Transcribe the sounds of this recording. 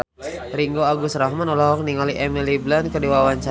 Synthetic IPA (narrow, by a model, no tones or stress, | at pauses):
ɾiŋɡoaɡusɾaɦmanulaɦɔk̚niŋaliʔɛmiliblankədiwawaɲt͡ʃa